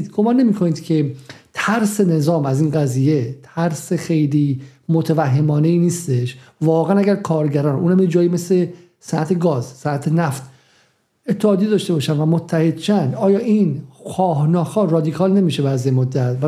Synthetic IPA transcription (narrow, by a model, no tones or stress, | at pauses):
d̪ɡomɒːnːe̞miːkʰo̞niːd̪̥cʰe̞t̪ʰæɾse̞ne̞zɒːmæziːnɡæziːje̞t̪ʰæɾsexe̞jliːmot̪ʰevæɦːe̞mɒːne̞iːniːst̪e̞ʃvɒːɣeænæɟæɾkʰɒːɾɟæɾɒːnʔuːnhæmjed͡ʒɒːjiːmesle̞ | sænæt̪ʰeɡɒːzsænæt̪ʰenæft̪ | et̪ʰːeɒːd̪ijed̪ɒːʃt̪e̞bɒːʃænvæmot̪ʰːæhe̞d̪̥̚t͡ʃænd̪ɒːjɒːʔinxɒːɦnɒːxɒːrɒːd̪ikʰɒːlne̞miːʃebæɾzjemod̪ːæt̪væ